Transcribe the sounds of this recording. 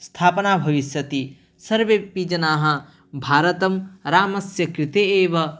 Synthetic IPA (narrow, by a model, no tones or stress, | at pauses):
st̪ʰaːpɐnaːbʱɐʋiʃjɐt̪i | sɐɾʋepiːd͡ʒɐnaːɦɐ̆ | bʱaːɾɐt̪ɐmɾaːmɐsjɐkɾɪt̪eːeːʋɐ